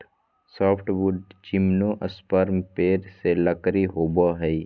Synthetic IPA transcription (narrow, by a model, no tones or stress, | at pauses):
sɔːpʰʈʋuɖd͡ʒimnõʔɐspəɾmpeːɾseləkɾiɦoːbaɦɛi